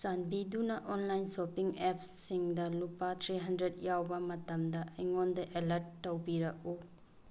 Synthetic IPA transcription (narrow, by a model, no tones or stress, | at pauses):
t͡ʃanbidunɐʔonlajnsopiŋep̚ssiŋdɐlupatʰɾiɦɐndɾetjawbɐmɐtɐmdɐɐjŋondɐʔelɐɾtːɐwbiɾɐk̚u